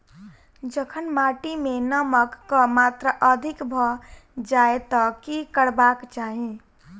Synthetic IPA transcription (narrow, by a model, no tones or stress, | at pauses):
d͡ʒəkʰənmaʈimenəməkːəmat̪ɾəʔəd̪ʱikbʱɔ | d͡ʒaet̪ɔkikəɽbakt͡ʃaɦĩ